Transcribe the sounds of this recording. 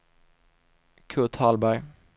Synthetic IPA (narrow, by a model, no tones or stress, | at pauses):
kʰʉːt̪ʰɑːlbæɾ